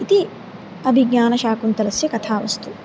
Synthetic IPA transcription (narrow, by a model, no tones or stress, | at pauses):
it̪i | ɐbʱiɡɲaːnɐʃaːkunt̪ɐlɐsjɐkɐt̪ʰaːʋɐ̰st̪u